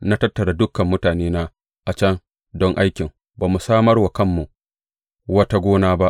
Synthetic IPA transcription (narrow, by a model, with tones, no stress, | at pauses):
na˦tɐ˦tːɐ˨ɾa˨dʊ˦kːɐ˨mːʊ˦taː˨neː˦naː˦ | ʔa˨t͡ʃɐ˦ŋ | dɔ˦ŋʔa˦jkʲɪ˨ŋ | baː˨mu˨saː˦mɐ˦rwa˨kɐ˦mːu˨ʔ | wɐ˦ta˦ɡʷoː˦naː˦ba˦ʔ